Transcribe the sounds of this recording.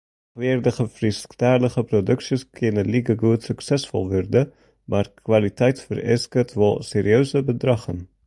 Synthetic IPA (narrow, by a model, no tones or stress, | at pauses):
χʋɪːrdəχəfrisktaːrləχəprodɵksiskʰɪnəliɡəɡuətsyksɛsfɔ̰lˠʋɔrdə | maːrkʋalitɛjtfə̰rɛ̰skətʋɔlˠseːɾiøɥsəbədrɑχən